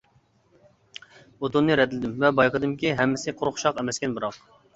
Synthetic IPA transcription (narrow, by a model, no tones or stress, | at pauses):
ot̪unːɨɾɛt̪lɪd̪ɪmvɛbɑjqʰəd̪ɨmkʲiɦɛmːɪsɪqʰʊɾʊχʃɑqɛmɛskʲɛnbɨɾɑq